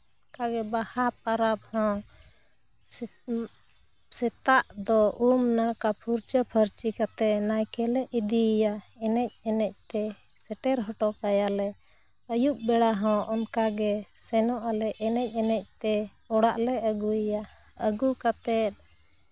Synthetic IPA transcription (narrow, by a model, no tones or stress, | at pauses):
ɔɔkaɡɛbahap̚aɾap̚hɔ̃ | sɛt̪aʔd̪ɔumnakapʰuɾt͡ʃəpʰəɾt͡ʃikat̪ɛʔ̪najkɛlɛid̪ijaɛnɛc̚ɛnɛc̚ˀt̪ɛ | sɛʈɛɾɦɔʈɔkajalɛ | əjuʔ̚bɛɽaɦɔ̃ʔɔnkaɡɛsɛnɔʔalɛɛnɛc̚ˀɛnɛc̚t̪ɛɔɽaʔlɛəɡuija | əɡukat̪ɛt̪̚